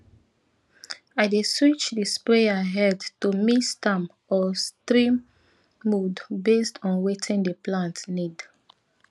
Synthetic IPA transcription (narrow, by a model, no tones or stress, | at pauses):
aɪdeswit͡ʃdəspɹeaɦɛdtumistãm | ɔstɹĩmː | udbestʰɔ̃nwetʰĩndəplãntnid